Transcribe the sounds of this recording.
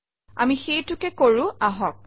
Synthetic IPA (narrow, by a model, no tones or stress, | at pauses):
a̰mixejtʊkɛkoɹʊ̃aɦɔk̚